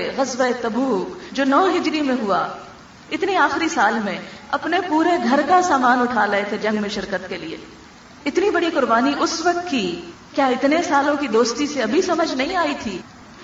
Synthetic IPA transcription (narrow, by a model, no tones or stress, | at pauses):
ɣɐzʋaet̪ɐbuːkd͡ʒoːnɔːɦɪd͡ʒɾimẽɦʊa | ɪt̪niaːxɾisaːlmẽɐpnepuːɾeɡʱɐɾkasaːmaːnʊʈʰalɐɦet̪ʰed͡ʒɐ̃ŋɡmẽʃɪɾkət̪keliḛ | ɪt̪nibɐɽiqʊɾbaːniʔʊsʋɐk̚t̪ki | kjaːɪt̪nesaːlõkid̪oːst̪iseɐbʱisɐməd͡ʒʱnɐɦĩaːit̪ʰiː